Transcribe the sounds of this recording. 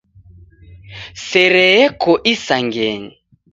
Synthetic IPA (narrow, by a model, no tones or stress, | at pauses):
sɛɾɛɛkʰɔʔisaŋɡɛŋ̩